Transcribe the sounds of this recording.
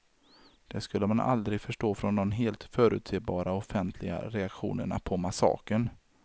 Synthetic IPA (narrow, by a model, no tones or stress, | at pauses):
d̪̥ɛskɵlːəmanʔa̰ld̪ɾɪɡfœʂʈoːfɾɔnd̪ɔmɦeːlt̪fœːɾʉ̟ːt̪seːbɑːɾaɔfɛnt̪ʰlɪɡa̰ɾɛakɧṵːnəɳa̰pʰɔmasɑ̰ːkəɳ